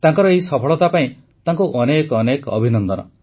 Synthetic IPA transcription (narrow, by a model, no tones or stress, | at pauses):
t̪aŋkɔɾɔeɦisɔpʰɔɭɔt̪apaĩ | t̪aŋkuʔɔnekɔnekɔ̰bʱinɔnd̪ɔnɔ̰